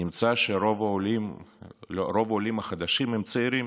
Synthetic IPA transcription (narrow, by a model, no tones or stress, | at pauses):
imt͡saʃeɾovaolim | oɾo̞volimaχad̪aʃimhɛmt͡seiɾim